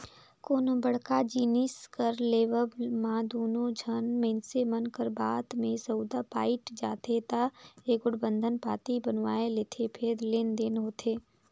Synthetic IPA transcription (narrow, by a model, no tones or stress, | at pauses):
koːnobəɽkad͡ʒiːnɪskəɾleːʋəbmãd̪oːnõd͡ʒʱənmẽnsemənkəɾbaːd̪mẽsəd̪apaːɪʈd͡ʒaːt̪et̪aeːkʊɽbə̃nd̪ʱənpaːt̪ibənʋaːeleːt̪ʰepʰeɾleːnd̪eːnɦoːt̪ʰeː